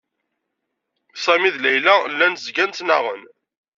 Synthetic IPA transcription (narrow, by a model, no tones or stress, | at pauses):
sˤæmiðlæjlælːænzɡænt̪nə̰ʁə̰n